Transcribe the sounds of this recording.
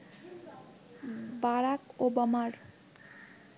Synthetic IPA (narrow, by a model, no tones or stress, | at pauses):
baɾakobamaɾ